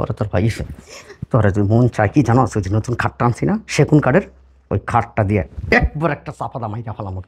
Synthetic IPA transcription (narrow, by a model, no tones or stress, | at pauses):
ɔ̰ɾet̪oɾbʱajiʃt̪ɔaɾet̪uimunt͡ɕajkid͡ʑanosud͡ʑinot̪unkʰaʈːaansʰinaʃekunkaɖeɾ | o̰jkʰaʈːad̪ieɛk̚bɔɾɛk̚ʈasapʰad̪amajɾapʰalamok̪